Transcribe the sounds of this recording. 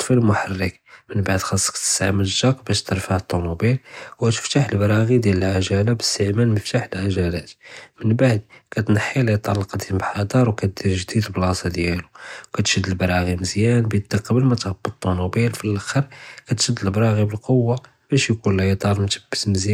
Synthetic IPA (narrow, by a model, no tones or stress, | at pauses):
t̪ˤːfilmʊħarːək | mənbaʕd̪xɑsˤːə̥kt̪ə̥sʕməʒːɑqbæʃt̪əɾˤfaʕət̪ˤːunubilwæt̪ə̥ft̪aħəlbɑɾˤɑɣid̪jæləlʕaʒælabəst̪əʕmænməft̪aħəlʕaʒælæt̪mənbaʕd̪̚kæt̪nɑħːiljt̪ʕɑlːɑqd̪imbħɑd̪ɑɾˤwkæt̪̚d̪iɾʒd̪id̪blɑsˤɑd̪jæluwkæt̪ʃəd̪ːəlbɾˤɑɣiməzjænbəd̪æqəbəlmæt̪ʕəbːət̪ˤːunubilfilʔæxəɾˤkæt̪ʃəd̪ːəlbɾˤɑɣibəlqowːa | b̥æʃjkunld̪ˤɑɾˤmt̪əbːəsməzj